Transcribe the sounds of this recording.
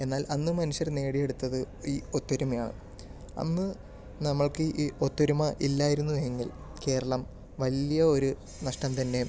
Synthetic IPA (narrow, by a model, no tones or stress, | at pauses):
e̞nːaːlʔɐnːɨmɐnuɕjɐrne̞ːɽije̞ɽut̪ːɐðɨ | iːot̪ːoɾumɐjaːɳɨ̰ | ɐ̰nːɨ | nɐmːɐɭkɨʔiːo̞t̪ːoɾumɐʔilːaːjiɾunːueŋɡil | ke̞ːɾɐɭɐm | ʋɐlijɐo̞ɾu | nɐʂʈɐmt̪ɐnːe̞